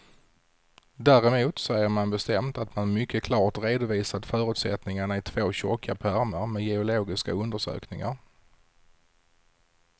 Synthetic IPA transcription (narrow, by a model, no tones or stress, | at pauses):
d̪æːɾɛmuːt̪sɔæjəɾmanbɛst̪ɛmt̪at̪manmʏkʰːəkʰlɑːʈ̪ɾeːd̪ʊviːsad̪fœːɾɵ̟ːt̪sɛ̰t̪nɪŋaɳaɪt̪ʰvoːɕɔkʰːapʰæɾməɾmɛjɛʊloːɡɪska̰ɵnd̪əʂø̰ːknɪŋa̰ɾ